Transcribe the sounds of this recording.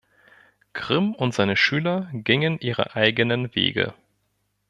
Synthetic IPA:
kʁ̥ɪmʊntz̥aɪnəʃyːlɐɡɪŋənʔiːʁə̰ʔaɪɡənənvḛːɡə̰

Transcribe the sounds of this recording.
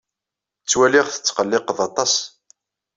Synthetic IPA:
t͡sːwælɪʁθə̥t͡sːqəlːɪqðɑt̪ˤɑs

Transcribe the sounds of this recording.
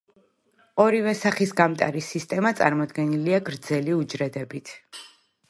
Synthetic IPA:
ɔɾivɛsaχisɡamt̪ʼa̰ɾisist̪ʼɛmat̪sʼa̰ɾmɔd̪ɡɛniliaɡɾd̪zɛliud͡ʒɾɛd̪ɛbit̪ʰ

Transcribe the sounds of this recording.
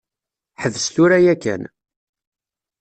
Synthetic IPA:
ħəvəst̪ʊɾæjækːæ̰n

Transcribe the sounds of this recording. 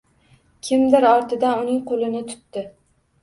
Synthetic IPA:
kʲʰɪmd̪ɪɾɒɾt̪ʰɪd̪anʊnɪŋqʰolɪnɪt̪ʰʊ̥t̪ːɪ

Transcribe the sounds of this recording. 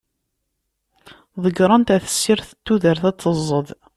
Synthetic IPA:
ðˤəɡɾˤɑnt̪æθə̥sːiɾθət̪ːuðəɾθæt͡sːəzˤːəð

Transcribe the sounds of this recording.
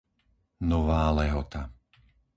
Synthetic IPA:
nɔʋaːlɛɦɔt̪a

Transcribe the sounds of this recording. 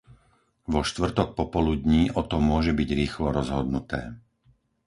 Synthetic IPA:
ʋɔʃt̪ʋr̩t̪ɔk̚pɔpɔlud̪ɲiːʔɔt̪ɔmʊɔʒɛbiɟɾiːxlɔɾɔzɦɔd̪nut̪ɛ̰ː

